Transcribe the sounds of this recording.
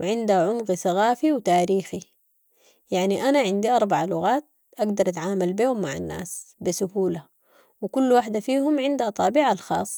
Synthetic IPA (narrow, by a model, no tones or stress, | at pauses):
wɪʕɪnd̪haʕʊmɣisaɣaːfiwt̪aːɾiːxi | jaʕniʔanaʕɪnd̪iʔɑɾˤbaʕalʊɣaːt̪̚ | ʔaɡd̪ɑɾˤʔat̪ʕaːmalbiːhʊmːaʕa̰nːa̰ːsbisʊhuːla | wɪkulːwaːħd̪afiːhʊmʕɪnd̪t̪ˤɑːbiːʕalxɑ̰ːsˤː